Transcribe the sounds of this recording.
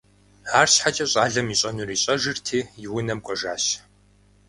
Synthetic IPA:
aːrsħat͡ʃʼɐɕʼaːɮɐmiːɕʼɐnuriːɕʼɐʒɨrtʰiːjɪwʊnɐmkʷʼɔʒa̰ːɕ

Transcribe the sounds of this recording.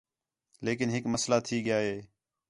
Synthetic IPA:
leːkɪnɦɪkməslaːt̪ʰiːɠɪjaːɦeː

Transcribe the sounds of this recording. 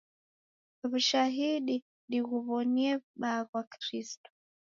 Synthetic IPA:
βuʃaɦiɗi | ɗiɣuβɔniɛɓaɣwakɾistɔ̥

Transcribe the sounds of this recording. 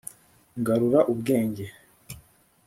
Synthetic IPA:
ŋɡaɾuɾaʔubɡe̞ːɲɟe̞

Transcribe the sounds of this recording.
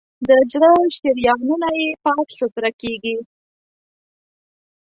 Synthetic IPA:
d̪əd͡ʒɽəʃt̪eɾjɑɣnunajepɑt̪ɬʊt̪ɾakeɡi

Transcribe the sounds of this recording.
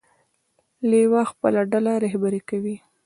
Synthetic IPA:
lewɑxpə̰laɖalaɾahbaɾekawi

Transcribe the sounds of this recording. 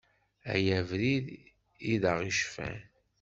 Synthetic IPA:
æ̰jævɾið | iðəʁiʃfæ̰

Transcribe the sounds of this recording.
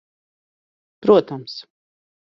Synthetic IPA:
pɾuɔt̪ams

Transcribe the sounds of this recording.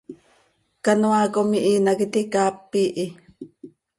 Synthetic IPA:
kanwakomiʔinakit̪ikapːiʔi

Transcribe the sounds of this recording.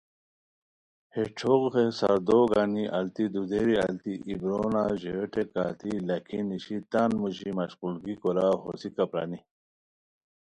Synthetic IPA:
heʈ͡ʂʰoɡʁesa̰ɾd̪oɡaniʔɐlt̪id̪ud̪eɾiɐlt̪iʔibɾonaʑeeʈekaːt̪ilɐkʰiniɕit̪anmuʑimɐɕqulɡikɔɾaho̰sikapɾa̰ni

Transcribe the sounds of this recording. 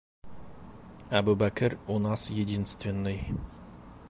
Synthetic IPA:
æbubækʲɪɾunɑsjed̪inst̪vʲenːəj

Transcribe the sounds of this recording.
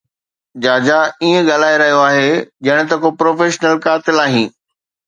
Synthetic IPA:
d͡ʑaːd͡ʑaiːẽɠaːl̤aːeɾɐɦijoaːɦed͡ʑɐɽ̃t̪ɐkopɾoːfeːʃnəlkaːt̪ɪlaːɦĩː

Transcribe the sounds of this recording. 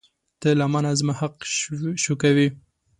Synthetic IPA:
t̪əlamanazmahaq̚ʃukawi

